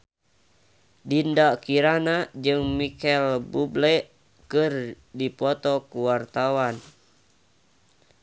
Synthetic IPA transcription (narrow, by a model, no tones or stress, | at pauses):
dindakiɾanad͡ʒɨŋmikɛlbublɛ | kɨr | dipɔt̪ɔkuwart̪awan